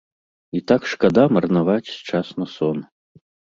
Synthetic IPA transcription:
it̪akʂkad̪amɐrnavat͡sʲst͡ʂasnɐsɔn

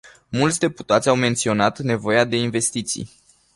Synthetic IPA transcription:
mult̪sʲd̪e̞put̪at̪sʲawme̞nt̪sio̞nat̪ne̞vo̞jead̪e̞inve̞st̪it̪sḭj

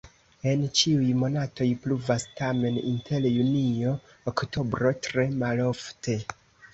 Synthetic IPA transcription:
e̞nt͡ʃiujmo̞nato̞jpluvastame̞nintʰe̞ljunio̞ː | kto̞bɾo̞tɾe̞malo̞fte̞

